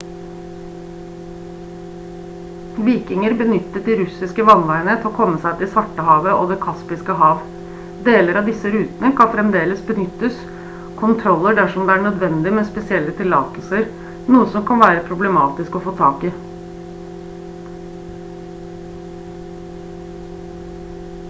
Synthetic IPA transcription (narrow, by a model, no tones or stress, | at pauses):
ʋiːkɪŋəɾbənʏt̪ːət̪̚d̪iɾʉsɪskəʋɑnʋæɪɳət̪ʰɪɔkʰɔmːəsæɪt̪ʰɪlsʋɑʈːəɦɑːʋəʔo̰ːd̪ɛkʰɑspɪskəɦɑːʋ | d̪eːləɾɑd̪ɪsəɾʉːt̪nəkʰɑnfɾɛmd̪eːləsbənʏt̪ːəs | kʰʊnt̪ʰɾɔlːəɖæʂɔmd̪ɛæɳœd̪ʋɛnd̪ɪmɛːspɛsɪɛlːət̪ʰɪlːɑ̰ːt̪l̩səɾ | nuːəsɔmkʰɑnʋæːɾəpʰɾʊbləmɑːt̪ɪskɔfoːt̪ʰɑːkɪ